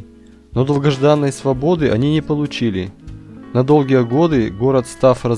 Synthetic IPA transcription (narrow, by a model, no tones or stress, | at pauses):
nod̪əlˠɡɐʐd̪anːəjsvɐbo̞d̪ɨʔɐnʲinʲɪpəlˠʊt͡ɕilʲɪnɐd̪o̞lˠɡʲijəɡo̞d̪ɨɡo̞ɾət̪st̪afrə